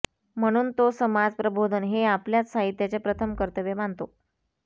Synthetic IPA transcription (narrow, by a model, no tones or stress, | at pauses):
m̤əɽ̃uːnt̪osəmad͡zpɾəbʱod̪ʱənɦeapljat͡ssaɦit̪jat͡sepɾət̪ʰəmkəɾt̪əʋemaɳnt̪o